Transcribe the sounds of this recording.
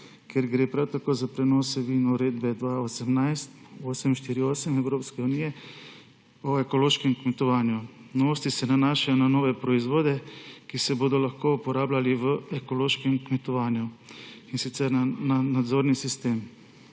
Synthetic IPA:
kjɛɾɡɾeːpɾawt̪akoːzapɾɛnɔːsɛʋinɔuɾeːd̪bɛd̪ʋaosɛmnajst̪oːsɛmʃt̪iːɾioːsɛmɛwɾoːpskɛunijɛ | ɔekɔloːʃkɛmkmɛt̪ɔʋaːnjunɔʋoːst̪isɛnanaːʃajɔnanoːʋɛpɾɔizʋoːd̪ɛkisɛboːd̪ɔlaxkoupɔɾaːblaliʋəɛkɔloːʃkɛmkmɛt̪ɔʋaːnjuinsit̪sɛɾnananad̪zoːɾnisist̪eːm

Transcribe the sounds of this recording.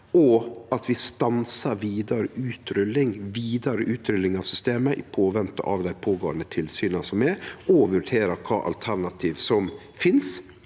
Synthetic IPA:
ɔɑt̪ʰʋɪst̪ɑnsɑɾʋiːd̪ɑɾəʔʉːt̪ɾʏlːɪŋʋiːd̪ɑɾəʔʉːt̪ɾʏlːɪŋɑʋsʏst̪eːməʔɪpʰoːʋɛnt̪ə̰ʔɑʋd̪æɪpʰoːɡoːənd̪ət̪ʰɪlsyːnɑsɔmɛɔʋʉɾɖʰeːɾəɾkʰɑ̰ːʔɑ̰lt̪ʰæɾɳɑt̪ʰiːʋsɔmfɪns

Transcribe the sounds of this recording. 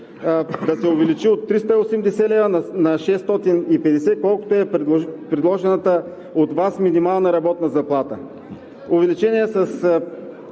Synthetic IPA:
d̪ɐsɛʊvɛlit͡ʃiot̪ːɾist̪əiosɛmd̪ɛsɛlɛvənnɐʃɛst̪ɔt̪inipɛd̪ɛsɛkɔlˠko̥t̪oɛppɾɛd̪lˠɔʒɛnət̪ə | ot̪vasminimalˠnəɾɐbɔt̪nəzɐplˠat̪ə | ʊvɛlit͡ʃɛniɛsɐs

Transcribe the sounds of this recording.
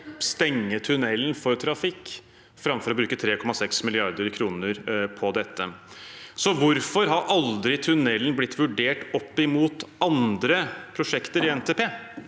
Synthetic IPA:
st̪ɛŋːət̪ʰʉnɛlnfɔɾt̪ʰɾɑfɪkː | fɾɑmfɔɾɔbɾʉːkət̪ʰɾeːkʰɔmɑsɛksmɪlɪɑɾd̪əɾkʰɾuːnəɾpʰɔd̪ɛt̪ʰːə | sɔʋʊɾfɔɾɦɑɾʔɑld̪ɾɪt̪ʰʉnɛlːnblɪt̪ːʋʉɖeːʈɔpːɪmuːt̪ɑnd̪ɾəpʰɾʊʂɛkt̪əɾɪɛnt̪ʰeːpʰeː

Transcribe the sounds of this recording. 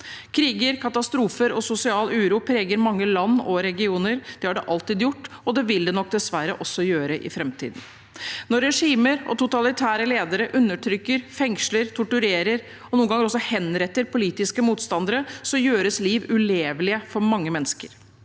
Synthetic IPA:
kʰɾiːɡəɾkʰɑt̪ɑst̪ɾuːfəɾɔsʊsɪɑːlʉːɾuːpʰɾeːɡəɾmɑŋːəlɑnːɔɾɛɡɪuːnəɾd̪̥ɛhɑɖɛʔɑlt̪iːd̪jʊʈːɔd̪ɛʋɪld̪ɛnɔk̚d̪ɛsʋæɾːə̰ʔɔsːɔjøːɾəʔɪ̰fɾɛmt̪ʰḭːd̪n̩ | nɔɾːɛʂiːməɾɔ̰t̪ʰʊt̪ɑlɪt̪ʰæːɾəleːd̪əɾəʔʉnːəʈʰɾʏkːəɾfɛŋʂləɾt̪ʰʊʈʉɾeːɾəɾ | ɔnuːənɡɑŋəɾɔsːɔhɛnɾɛt̪ːəɾpʰʊliːt̪ɪskəmuːt̪st̪ɑnd̪əɾəsɔjøːɾəsliːʋʉleːʋlɪəfɔɾmɑŋːəmɛnːskəɾ

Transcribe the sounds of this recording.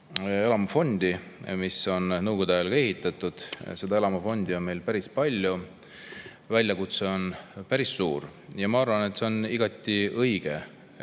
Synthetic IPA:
e̞lɑmɑfo̞nʲd̪̥imiso̞nnɤwɡ̥o̞d̪̥oɑjɑlɡ̥ɑe̞ɦit̪ːˑɑt̪ˑud̪̥se̞d̪ɑe̞lɑmɑfo̞nʲd̪io̞nme̞jlpæɾispɑlʲju | vælʲjɑkut̪se̞o̞npæɾisːuːrjɑmɑɑrvɑne̞t̪ˑse̞oniɡ̥ɑt̪ːˑiʔɤjɡ̥e̞

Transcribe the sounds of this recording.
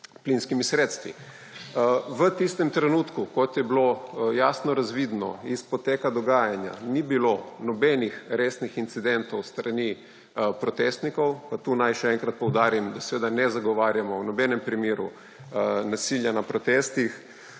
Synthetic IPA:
plinskimisɾeːt̪st̪ʋḭ | ʋət̪ist̪ɛmt̪ɾɛnuːt̪kukɔt̪jɛblojaːsnɔɾazʋiːd̪nɔ̰ispɔt̪eːkad̪ɔɡaːjanja̰nibilonɔbɛnixɾeːsnixint̪sid̪ɛnt̪ɔwst̪ɾani | pɾɔt̪est̪nikɔwpat̪uːnajʃɛɛŋkɾat̪̚pɔwd̪aːɾimd̪asɛʋeːd̪anɛzaɡɔʋaːɾjamɔwnɔbɛnɛmpɾimeːɾṵ | nasiljanapɾɔt̪est̪ix

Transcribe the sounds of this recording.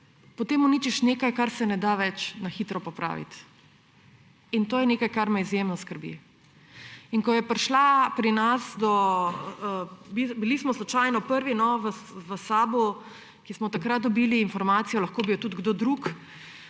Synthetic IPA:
pɔt̪emɔniːt͡ʃiʃneːkajkaɾsɛnɛd̪aʋɛt͡ʃnaxiːt̪ɾɔpɔpɾʔa̰ːʋḭt̪ | int̪oːjɛnekajkaɾmɛizjemnɔskəɾbḭ | iŋkɔjɛpɾʃlapɾinasd̪ɔ | bibilismɔslɔt͡ʃajnɔpəɾʋinɔʋəʋəsaːbu | kismɔt̪akɾat̪̚d̪ɔbiːliːnfɔɾmaːt̪sijɔlɐxkoːbiwt̪ud̪ɡd̪oːd̪ɾuk

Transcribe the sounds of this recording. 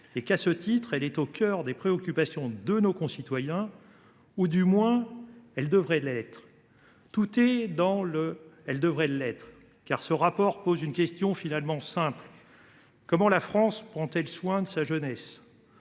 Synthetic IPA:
ekasət̪it̪χɛlɛt̪okʲœʁd̪epχeɔkʲypasjɔ̃d̪ənokɔ̃sit̪wajɛ̃ | ud̪ymwɛ̃ɛld̪əvʁɛlɛt̪χ | t̪ut̪ɛd̪ɑ̃ləɛld̪əvʁɛlɛt̪χ | kaʁsəʁapɔʁpozynkʲɛst̪jɔ̃finalmɑ̃sɛ̃pl | kɔmɑ̃lafχɑ̃spχɑ̃t̪ɛlswɛ̃d̪əsaʒənɛs

